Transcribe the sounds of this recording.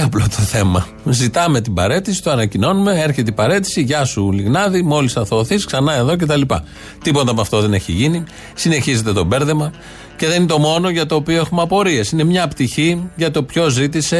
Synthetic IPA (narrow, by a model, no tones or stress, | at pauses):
ɐplot̪ʰo̞θe̞mɐ̰ | zit̪ɐme̞t̪ibɐɾe̞t̪isi̥t̪oɐnɐcino̞nume̞eɾçet̪eibɐɾe̞t̪i̥siʝɐsuliɣnɐðimo̞lisɐθoːθisksɐnɐe̞ðo̞c̬e̞t̪̬ɐlipɐ̰ | t̪ipond̪ɐpɐft̪o̞ðe̞ne̞çḭʝini | sine̞çize̞t̪e̞t̪o̞be̞ɾðe̞mɐ | ce̞ðeninet̪omo̞no̞ʝɐt̪o̞ːpioe̞xumɐpo̞ɾie̞sinemɲɐpt̪içiʝɐt̪o̞pço̞zit̪ise̞